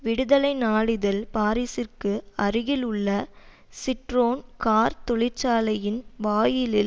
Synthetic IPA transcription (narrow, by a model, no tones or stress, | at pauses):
ʋɪɽɯðɐlɐɪnaːɭɪðɐlpaːɾisɪrkɯɐrɯɣɪlɯɭːɐ | sɪʈɾoːnkaːɾt̪ɔɭɪɾt͡ʃaːlɐjɪnʋaːjɪlɪl